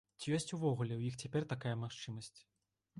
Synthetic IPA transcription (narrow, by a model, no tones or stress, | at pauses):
t͡sʲijɔsʲt͡sʲuvɔɣulʲɛwjixt͡sʲapʲɛrt̪akajɛmaxt͡ʂɨmɐsʲt͡sʲ